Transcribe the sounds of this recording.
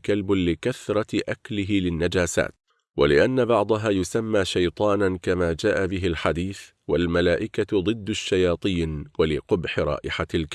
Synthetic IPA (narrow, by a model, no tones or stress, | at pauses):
kalblɪkaθɾˤɑʔaklɪɦɪlɪnːad͡ʒaːsa̰ːt̪ | wa̰lɪʔanːabɑʕd̪ˤɑɦaːjʊsamːaːʃajt̪ˤɑːnankamaːd͡ʒaːʔabɪɦɪlħad̪iːθ | walmalaːʔɪkad̪ˤɨd̪ːaʃːajɑːt̪ˤiːnwalɪqʊbħɪɾˤɑ̰ːʔɪħalk